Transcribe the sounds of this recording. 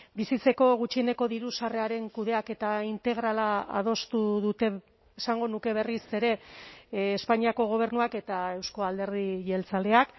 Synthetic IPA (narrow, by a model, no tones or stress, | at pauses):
bisit͡se̞ko̞ɣut͡ʃie̞ne̞ko̞ðiɾusare̞aɾe̞ŋkuðe̞ake̞t̪aint̪e̞ɣ̞ɾalaa̰ð̞o̞st̪uðut̪e̞ | esaŋɡo̞nuke̞β̞e̞rise̞ɾe̞ː | spaɲiako̞ɣ̞o̞β̞e̞ɾnuake̞t̪ae̞wsko̞ald̪e̞ɾðiʝe̞lt͡sale̞ak